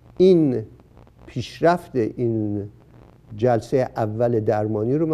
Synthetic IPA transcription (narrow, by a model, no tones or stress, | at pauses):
in | pʰiːʃɾæft̪eʔin | d͡ʒælsejeʔævːæled̪æɾmɒːniːɾom